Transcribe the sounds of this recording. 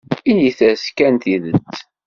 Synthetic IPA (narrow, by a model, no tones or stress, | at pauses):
iniθæskænt̪iðə̰t͡sː